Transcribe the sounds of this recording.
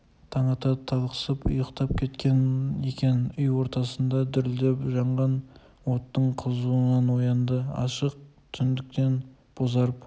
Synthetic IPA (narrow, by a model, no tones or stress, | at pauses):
t̪ʰɑɴɑt̪ɑt̪ʰɑlˠqə̥səpʊ̰jəqt̪ɑp̚kʲʰe̞t̪kʲe̞nekʲe̞nʏjwo̞ɾt̪ɑsənd̪ɑd̪ʏɾld̪epʒɑɴʁɑn | wo̞t̪ːəɴqʰəzuənɑnwo̞jɑnd̪əɑ̰ʃəq̚t̪ʰʏnd̪ɪk̚t̪e̞n | b̥ozɑɾəp